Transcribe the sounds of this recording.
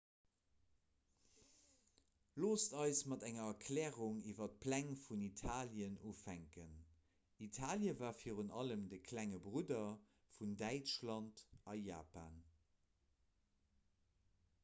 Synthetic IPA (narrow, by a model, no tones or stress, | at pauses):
loːstɑɪsmɑtæŋɐɐkʰlɛːʁuŋiːvɐt̚pʰlæŋfunitʰaːljənuːfhæŋkən | itʰaːljəvaːfiːʁənɑləmdəkʰlæŋəbʁudɐ | fundæɪt͡ʃlɑntʔɑja̰ːpa̰ːn